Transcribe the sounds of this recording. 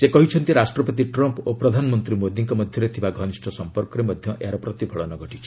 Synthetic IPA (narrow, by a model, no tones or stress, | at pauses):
sekɔɦit͡ʃʰɔnt̪iɾasʈɾɔpɔt̪iʈɾɔmpopɾɔd̪ʱanɔmɔnt̪ɾimod̪iŋkɔmɔd̪ʱjɔɾet̪ʰibaɡʱɔnisʈʰɔsɔmpɔɾkɔɾemɔd̪ʱjɔʔeaɾɔpɾɔt̪ibʰʱɔɭɔnɔɡɔʈit͡ʃʰɔ̥